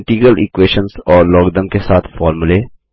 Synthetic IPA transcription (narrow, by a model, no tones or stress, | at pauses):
ʈiːɡəlḭkweːʃənsɔːɾlɔːɡd̪ə̃mkesaːt̪ʰfɔːɾmule